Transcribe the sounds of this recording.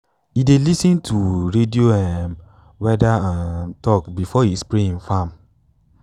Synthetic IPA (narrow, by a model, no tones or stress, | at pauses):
idelisĩntʰuɾedioɛm | wɛdaãtɔkbifɔispɾĩfãm